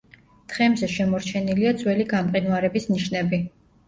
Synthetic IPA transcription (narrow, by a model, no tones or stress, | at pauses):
d̪̥ʁɛmzɛʃɛmɔɾt͡ʃʰɛniliad̪zʼwɛliɡamqʼinwaɾɛbisniʃnɛbi